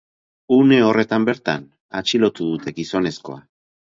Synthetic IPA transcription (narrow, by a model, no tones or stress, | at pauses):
une̞o̞re̞t̪ambe̞ɾt̪a̰n | at͡ʃilo̞t̪uðut̪e̞ɡiso̞ne̞sko̞̰a